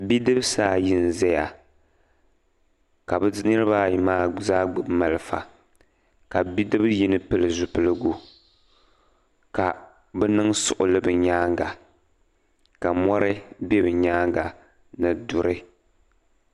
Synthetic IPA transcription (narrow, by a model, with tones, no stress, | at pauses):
bi˦dɨ˦bsaː˦jɪ˦n˨zɛ˦ja˨ | ka˨bɨ˨˦nɨ˦ɾɨ˦baː˦˨maː˦zaː˦ɡ͡bma˨lɨ˨fa̰˨ | ka˨bi˦dɨ˦bji˦nɨ˦pɨ˦lɨ˨zʊ˨pɨ˦lɨ˦ɡu˦ | ka˨ | bɛ˦nɨ˦ŋsʊ̰˨ʔʊ̰˨lɨ˦bɨ˨ɲaː˦ŋɡa˨ | ka˨mɔ˦ɾɨ˦be˦bɨ˨ɲaː˦ŋɡa˨ | nɨ˨dʊ˨ɾɨ˦